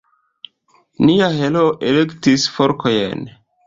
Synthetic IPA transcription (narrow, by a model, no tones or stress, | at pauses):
niaɦeloʔelektisfoɾkojḛn